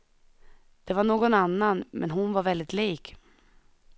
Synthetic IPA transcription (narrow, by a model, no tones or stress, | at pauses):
d̪̥ɛvaɳoːɡɔnanːanmɛ̰nɦʊnvaɾvɛld̪ɪt̪liːk